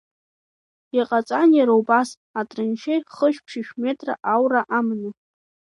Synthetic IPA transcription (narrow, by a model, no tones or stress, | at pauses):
iqʼat͡sʼanjaɾowbas | atʼrɨnʃejχəʃʷᶣpʰʂiʃᶣme̞tʼra̰ʔawraʔamnɨ